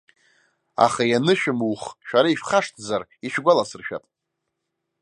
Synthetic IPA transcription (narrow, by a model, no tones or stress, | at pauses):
a̰χajanɨʃᶣɪmwχʃᶣaɾaiʃχaʂtʰzariʃᶣɡʷalasɨrʃᶣa̰pʼ